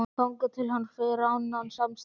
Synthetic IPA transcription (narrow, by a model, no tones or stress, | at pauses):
kawŋkʏt̪ʰɪlhanːfɛɾawnːansamms